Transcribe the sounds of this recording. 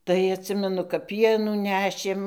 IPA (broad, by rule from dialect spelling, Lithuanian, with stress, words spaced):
tɐɪ ɐtʲˈsʲɪmʲɛnʊ kɐp ˈpʲiɛnuː ˈnʲæːʃʲeːm